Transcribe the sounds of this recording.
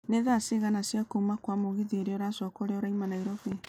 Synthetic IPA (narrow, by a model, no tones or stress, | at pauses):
neðaseɣanasjakoumakwamoɣeðieɾeoɾasɔkɔɾeɔɾaimanaiɾɔβe